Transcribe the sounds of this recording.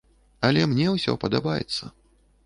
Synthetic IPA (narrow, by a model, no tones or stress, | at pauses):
ɐlʲɛmnʲɛwsʲɔ̰pɐd̪abajɛ̰t̪sːɐ